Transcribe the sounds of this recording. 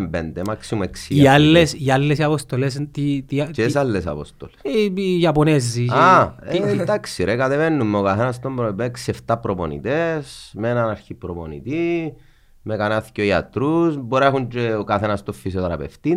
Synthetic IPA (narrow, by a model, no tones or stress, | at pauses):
mbend̪emaksimueksiialːesialːesiapost̪olest̪it̪it͡ʃesalːesa̰po̰st̪olesjɐponezːia | d̪aksiɾekat̪evenːumːeokaθenɐst̪ombɾoipeksieft̪apɾoponḭt̪esmenɐnaɾçipɾoponḭt̪i | mekanaθiceoiat̪ɾusboɾexund͡ʒeokaθenɐst̪ofːisiot̪ɾɐpḛft̪i